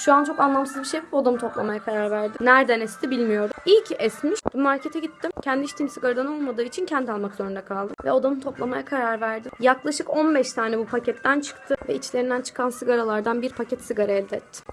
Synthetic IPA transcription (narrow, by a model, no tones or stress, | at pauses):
ʃuant͡ʃʰo̞kanlˠamsɯzbiʃejbuɾbod̪amɯt̪ʰo̞plˠamajakʰaɾaɾvæɾd̪imnæɾd̪ænɛst̪ʰibilʲmijo̞ɾd̪umilʲcɛsmiʃb̪umaɾcʰet̪ʰɛɟit̪ːimcʰɛnd̪iʃt̪ʰimsɯɡaɾɯd̪ano̞lˠmad̪ɯːit͡ʃʰincʰɛnd̪ɪalˠmakzo̞ɾund̪ɛkʰalˠd̪ɯmvɛ̰o̞d̪amɯt̪ʰo̞plˠamajakʰaɾaɾvæɾd̪imjaklˠaʃɯko̞nbɛʃt̪ʰaːnɛbupʰacʰɛt̪ːænt͡ʃʰɯ̥kt̪ʰɯvɛit͡ʃʰlʲeɾind̪ænt͡ʃʰɯ̥kʰansɯɡaɾalˠaɾd̪anbiɾpʰacʰɛt̪sɯɡaɾaɛlʲd̪ɛt̪ʰːɪ̥